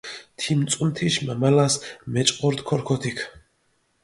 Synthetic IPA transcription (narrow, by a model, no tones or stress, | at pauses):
t̪ʰimt͡s̪ʼumt̪ʰiʃmamalasmɛt͡ʃʼqʼɔɾt̪kʰɔɾkʰɔt̪ʰikʰ